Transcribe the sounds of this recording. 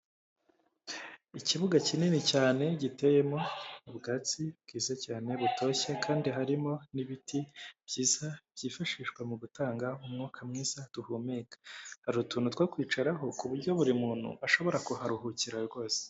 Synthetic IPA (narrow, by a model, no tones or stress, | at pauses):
iciβuɡacininicaːne̞ɟite̞jemo̞uβɡaːt͡sibɡiːzacaːne̞βutʰo̞ːçekʰaːndiɦaɾimo̞niβitibɟiːzab̥ɟiːfaʃiːʃkwemuɡutaːŋɡaumŋuːkʰamŋiːz̥ad̥uhumekḁhaɾutuːnutwokwiːt͡ʃaɾaɦo̞kuβuɾɟo̞βuɾimuːn̥hṵʔaʃo̞βo̞ɾakuhaɾuɦuciɾaɾɡo̞ːze̥